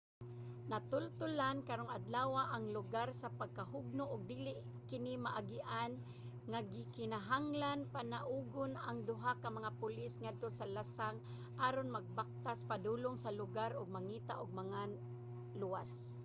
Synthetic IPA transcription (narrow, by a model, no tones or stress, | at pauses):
nat̪ʊlt̪ʊlankaɾoŋad̪laːwaʔaŋlʊɡaɾsapaɡ̚kaɦʊɡ̚nʊʔʊɡ̚d̪iːlɪʔ | kɪnimaʔaɡɪʔan | ŋaɡɪkɪnaɦaŋlanpanaʔuːɡʊnaŋd̪ʊɦakamaŋapʊlɪsŋad̪̚t̪osalasaŋ | ʔaːɾonmaɡ̚bak̚t̪aspad̪uːloŋsalʊɡaɾʊɡ̚maŋiːt̪a̰ʔʊɡ̚mɐŋa | lʊwas